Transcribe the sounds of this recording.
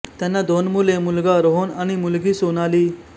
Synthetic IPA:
t̪janːad̪onmulemulɡaɾoɦonaɽ̃imulɡiːsonaliː

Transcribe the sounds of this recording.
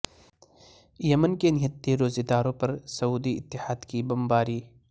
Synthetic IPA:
jɐmənkenɪɦət̪ːeɾoːzed̪aːɾõpɐɾsɐuːd̪iɪt̪ːɪhaːd̪kibɐmbaːɾiː

